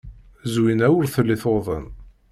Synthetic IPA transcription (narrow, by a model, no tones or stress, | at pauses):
zwinæwəɾθəlːiθoðˤə̰n